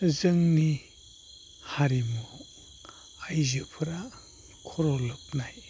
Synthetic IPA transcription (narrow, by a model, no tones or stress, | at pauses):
zɯŋni | haɾimɔ | ajzɯpʰɯɾa | kʰɔɾɔlɯp̚naj